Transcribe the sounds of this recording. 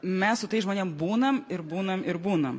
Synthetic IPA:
mʲɛssʊt̪ɐɪʒmoːnʲɛmbuːnɐmɪɾbuːnɐmɪɾbuːnɐm

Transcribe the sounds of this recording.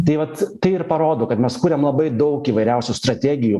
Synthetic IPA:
t̪ɐɪʋɐt̪t̪ɐɪɪɾpɐɾoːd̪oːkɐt̪mʲɛskuːɾʲɛmlˠɐbɐɪd̪ɐʊkiːʋɐɪɾʲɛʊsʲuːst̪ɾɐt̪ʲæːɡʲɪju

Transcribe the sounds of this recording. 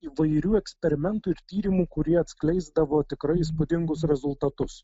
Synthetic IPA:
iːʋɐɪɾʲuːɛksʲpʲɛɾʲɪmʲɛnt̪uːɪɾt̪ʲiːɾʲɪmuːkʊɾʲiɛɐt̪ʲsklʲɛɪzd̪ɐʋoːt̪ʲɪkɾɐɪispʊd̪ʲɪŋɡʊsɾʲɛzʊlˠt̪ɐt̪ʊs

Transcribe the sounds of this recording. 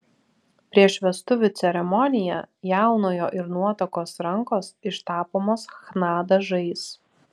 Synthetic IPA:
pʲɾʲiɛʃʲʋʲɛst̪ʊʋʲʊt̪sʲɛɾʲɛmɔnʲɪjɛjæˑʊnoːjoːʔɪɾnuɔt̪ɐkoːsɾɐŋkoːsɪʃt̪ɑːpoːmoːsxnɑːd̪ɐʒɐɪs

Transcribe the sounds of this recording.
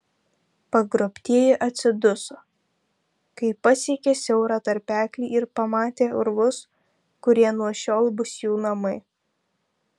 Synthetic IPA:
pɐɡɾopʲt̪ʲiɛjɛʔɐt̪ʲsʲɪd̪ʊso | kɐɪpɐsʲiɛkʲesʲɛʊɾɑːt̪ɐɾʲpʲæːkʲlʲiːɪɾpɐmɑːt̪ʲeːʊɾʋʊs | kʊɾʲiɛnuɔʃʲoːlˠbʊsjuːnɐmɪ

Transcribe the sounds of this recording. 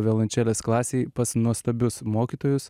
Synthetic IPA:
ʋʲɛlˠɐnʲt͡ʃʲɛlʲɛsklˠɑːsʲeɪpɐsnuɔst̪ɐbʲʊsmoːkʲiːt̪oːjʊss

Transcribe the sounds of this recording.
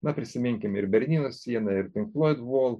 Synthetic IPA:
nɐpʲɾʲɪsʲɪmʲɪŋʲkʲɪmɪɾbʲɛɾʲnʲiːnoːsʲsʲiɛnɐɪɾt̪ʲɪŋklˠoːjd̪ʋoːlˠ

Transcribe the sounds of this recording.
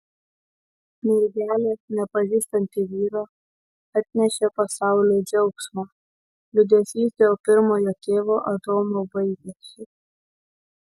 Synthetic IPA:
mʲɪɾʲɡʲæːlʲenʲɛpɐʒʲiːst̪ɐnʲt̪ʲiʋʲiːɾɑː | ɐt̪ʲnʲɛʃʲepɐsɑˑʊlʲeːd͡ʒʲɛʊksmoː | lʲʊd̪ʲɛsʲiːsʲt̪ʲeoːpʲɪɾmoːjoːt̪ʲeːʋoːʔɐd̪oːmobɐɪɡʲesʲɪ

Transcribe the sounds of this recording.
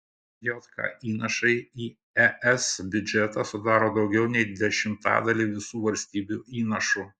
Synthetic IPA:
joːt̪kʰɑ̰iːnɐʃɐɪiː | ɛʔɛsbʲʊd͡ʒʲɛt̪ɑsʊd̪ɑːɾoːd̪ɒʊɡʲɛʊnʲɛɪd̪ʲɛʃʲɪmt̪ɑ̰ːd̪ɐlʲiːʋʲɪsuːʋɐlʲsʲt̪ʲiːbʲuːʔiːnɐʃuː

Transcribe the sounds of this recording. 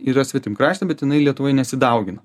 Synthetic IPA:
iɾɐsʋʲɪt̪ʲɪmkɾɑːʃʲt̪ʲɛbʲɛt̪jɪnɐɪlʲiɛt̪ʊʋoːjnʲɛsʲɪd̪ɐˑʊɡʲɪnɐ

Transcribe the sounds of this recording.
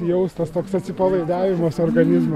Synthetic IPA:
jɛʊst̪ɐst̪oːksɐt̪ʲsʲɪpɐlˠɐɪd̪æːʋʲɪmɐːsoːrɡɐnʲɪzmɐ

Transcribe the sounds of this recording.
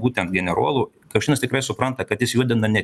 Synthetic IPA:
buːt̪ʲɛnt̪ɡʲɛnʲɛɾuɔlˠuː | kɐkʃʲiːnɐst̪ʲɪkɾɐɪsʊpɾɐnt̪ɐkɐt̪jɪsjuɔd̪ʲɪnɐnʲɛ

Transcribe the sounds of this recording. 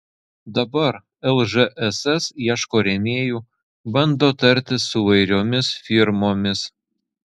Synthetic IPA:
d̪ɐbɐɾ | ɛlˠʒɛʔɛsɛsiɛʃkoːɾʲɛmʲeːjuː | bɐnd̪oːt̪ɐɾʲt̪ʲɪsʊiʋɐɪɾʲoːmʲɪsfʲɪɾmoːmʲɪs

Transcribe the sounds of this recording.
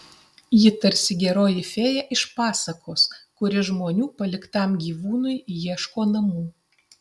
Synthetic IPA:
jɪt̪ɐɾʲsʲɪɡʲɛɾoːjɪfʲeːjɛʔɪʃpɑːsɐkʰoːskʊɾʲɪʒmoːnʲuːpɐlʲɪkt̪ɑmɡʲiːʋuːnʊjjiɛʃkoːnɐmuː

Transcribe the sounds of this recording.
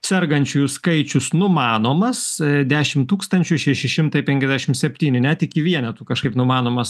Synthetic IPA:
sʲɛrɡɐnʲt͡ʃʲuːjʊskɐɪt͡ʃʲʊsnʊmɑːnoːmɐsd̪ʲæːʃʲɪmt̪uːkst̪ɐnʲt͡ʃʲʊʃʲɛʃʲɪʃʲɪmt̪ɐɪpʲɛŋʲkʲɛzʲd̪ʲæʃʲɪmsʲɛpʲt̪ʲiːnʲɪnʲɛt̪ɪkʲɪʋʲiɛnʲɛt̪uːkɐʃkɐɪpnʊmɑːnoːmɐs

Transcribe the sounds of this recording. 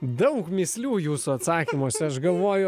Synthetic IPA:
d̪ɐʊkmʲɪsʲlʲuːjuːsuɐt̪sɑːkʲiːmoːsʲɛɐʃɡɐlˠʋoːjʊ

